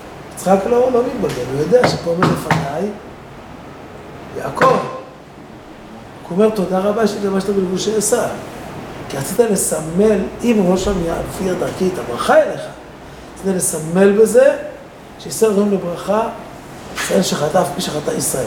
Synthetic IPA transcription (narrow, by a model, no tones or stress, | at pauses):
it͡sχaklo̞lomitbaɡenojod̪eaʃepomeʁlefanaj | ja̰ako̞v | komeʁt̪o̞d̪aʁabaʃeit̪lamaʃt̪abelbuʃeasa | kiʁat͡sit̪ale̞same̞limaloʃamiabfiad̪aʁkit̪abʁaχaeleχa | at͡sit̪alesame̞lbe̞ze̞ | ʃeiseldomlebʁaχa | ʃeelʃeχat̪afpiʃeχat̪aisʁael